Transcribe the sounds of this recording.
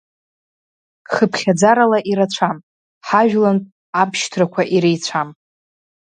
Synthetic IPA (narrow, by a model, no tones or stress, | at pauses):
χəpʰχʲad͡zaɾalaʔiɾat͡ɕʷʰam | ħaʒᶣlan | apʰʃtʰrakʷʰaʔiɾejt͡sʷʰam